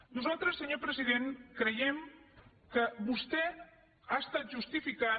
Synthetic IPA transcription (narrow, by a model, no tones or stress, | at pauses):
nuzalˠt̪ɾəsːəɲopɾəziðenkɾəjɛm | kəβust̪ɛ | ast̪at̪̚ʒust̪ifika